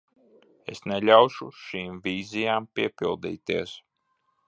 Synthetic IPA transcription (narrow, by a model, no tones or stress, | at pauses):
ḛsnelʲawʃuʃiːmvʲiːzijaːmpʲiɛpʲilˠd̪ḭːt̪iɛs